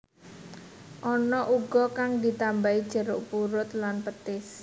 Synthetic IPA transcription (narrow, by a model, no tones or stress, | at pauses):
ʔɔnɔʔuɡ̥ɔkaŋd̪i̤t̪ambaid̥ʒ̥ə̤ɾʊʔpuɾʊt̪lanpət̪ɪs